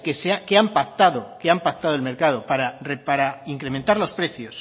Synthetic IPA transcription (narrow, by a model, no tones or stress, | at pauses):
keseakeampak̚t̪aðo̞keampak̚t̪aðolme̞ɾkað̞o̞paɾarepaɾaiŋkɾe̞ment̪aɾlo̞spɾe̞θjo̞s